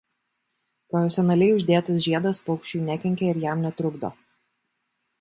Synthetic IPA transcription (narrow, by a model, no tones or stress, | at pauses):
pɾɔfʲɛsʲɔnɐlʲɛɪʊʒʲd̪ʲeːt̪ɐs̬ʒʲiɛd̪ɐspɔʊkʃʲt͡ʃʲuːnʲækʲɛŋʲkʲɛɪɾjæmnʲɛt̪ɾʊɡd̪o̰ː